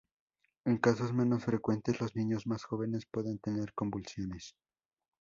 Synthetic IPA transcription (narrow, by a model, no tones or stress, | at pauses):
e̞ŋkasozmẽ̞no̞sfɾe̞kwe̞nt̪e̞zlo̞znĩɲo̞zmasxo̞βe̞ne̞spwe̞ðent̪e̞ne̞ɾko̞mbulsjo̞nes